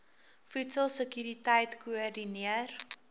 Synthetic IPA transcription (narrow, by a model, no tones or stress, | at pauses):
fʉtsəlˠsəkyɾitɛjtkuɔrdiniər